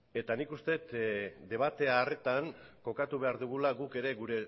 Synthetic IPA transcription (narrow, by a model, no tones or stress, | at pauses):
e̞t̪anikust̪e̞t̪d̪e̞β̞at̪e̞aːre̞t̪aŋko̞kat̪uβe̞aɾðuɣ̞ulaɣuke̞ɾe̞ɣuɾe̞